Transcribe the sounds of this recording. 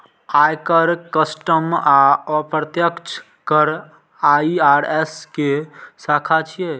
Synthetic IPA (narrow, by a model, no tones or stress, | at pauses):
ajkəɾkəsʈəmaɔpɾət̪jəkt͡ʃʰ | kəɾ | aiaɾeskesakʰat͡ʃʰije